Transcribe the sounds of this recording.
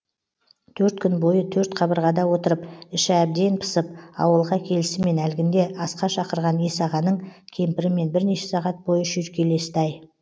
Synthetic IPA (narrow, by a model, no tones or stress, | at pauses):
t̪ʰɵɾt̪kʲʏnbo̞jət̪ʰɵɾt̪qʰɑbəɾʁɑd̪ɑwo̞t̪əɾəpɪʃæb̚d̪e̞npʰə̥səp̚ɑ̰wəlˠʁɑkʲʰe̞lɪsɪme̞nælɡʲɪnd̪e̞ʔɑsqɑʃɑqəɾʁɑnesɑʁɑnəɴkʲʰe̞mpɪɾɪme̞nbɪɾne̞ʃe̞̥sɑʁɑt̪̚bo̞jəʃʏɾkʲe̞le̞sɪd̪ɑj